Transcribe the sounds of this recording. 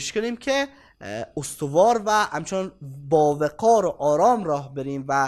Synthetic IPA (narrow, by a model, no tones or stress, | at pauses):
ʃkʰoniːmcʰe | ost̪ʰovɒːɾvæhæmt͡ʃʰenɒnbɒːveɡɒːɾoʔɒːɾɒːmɾɒːhbe̞ɾiːmvæ